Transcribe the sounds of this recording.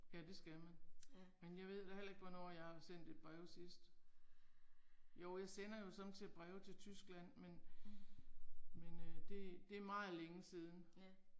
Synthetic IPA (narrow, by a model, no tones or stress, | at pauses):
jæd̥e̝sɡ̥æmænmenjɑ̈ɪʋe̝ð̞̰ˠd̥æhel̰ɐe̝ɡ̥ʋɒnɒ̰ːjɑ̈ɪhɑ̈sen̰d̥e̝d̚b̥ʁɛʊsisd̥ | joʊ̰jɑ̈ɪsen̰ɐjo̝sɒ̽mt͡sʰe̝æb̥ʁɛːʊt͡sʰe̝lt͡sʰysɡ̥læn̰men | menød̥e̝d̥e̝æɐmɑ̈ːð̩ˠleŋəsiːð̞ˠn̩